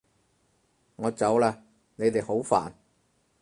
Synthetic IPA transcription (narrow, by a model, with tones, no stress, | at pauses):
ŋɔː˨˧t͡sɐ˨˥wlaː˧ | ne˨˧jt̪e˨jho˨˥wfa̰ː˨˩n